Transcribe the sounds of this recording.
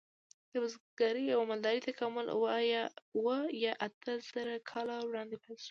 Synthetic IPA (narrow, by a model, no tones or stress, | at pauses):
d̪̥əbʊzɡ̥ɑɾəawamald̪ɑɾit̪akʰɑmʊl̰wəjwəjɑʔat̪ʰəz̥əɾakʰɑlawɽɑnd̪epaʃu̥